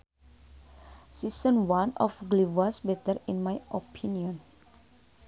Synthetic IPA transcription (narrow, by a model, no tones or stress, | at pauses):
sisə̃nwãnɔ̰fɡlivasbɛt̪əɾĩnmajʔopʰĩniə̃n